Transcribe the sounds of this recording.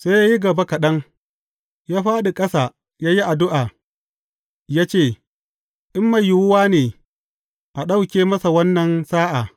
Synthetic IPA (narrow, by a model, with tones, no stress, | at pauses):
sa˦jaː˦ji˦ɡɐ˨ba˦kɐ˨ɗɐ˦ŋ | jaː˦ɸaː˦ɗi˨kʼɐ˦saː˨ | jaː˦ji˦ʔa˨dʊ˦ʔaː˨ | jaː˦t͡ʃeː˦˨ | ʔɪ˦mːa˨jɪ˦wʊ˦waː˦neː˨ | ʔa˨ɗa˦˨wkʲeː˦mɐ˦sa˨wɐ˦nːɐ˨nsaː˦ʔa˨